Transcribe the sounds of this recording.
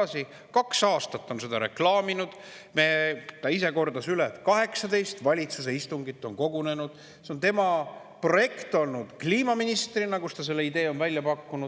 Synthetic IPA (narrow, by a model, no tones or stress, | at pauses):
ɑsi | kɑksɑːst̪ɑt̪ːˑo̞nse̞d̪ɑɾe̞̰klɑːminud̪̥ | met̪ɑise̞ko̞rd̪ɑsylet̪kɑɦe̞ksɑd̪e̞jst̪vɑlʲit̪sus̬e̞ist̪uŋɡ̥it̪ːˑo̞nko̞ɡune̞nud̪̥ | seo̞nt̪e̞mɑ | pro̞je̞kt̪ˑo̞lnud̪̥kliːmɑminist̪rinɑkust̪ɑs̬e̞lːe̞id̪e̞ːo̞nvælʲjɑpɑkːunu